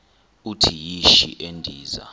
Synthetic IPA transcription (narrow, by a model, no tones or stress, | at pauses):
utʰijiʃḭʔendʱiːza̰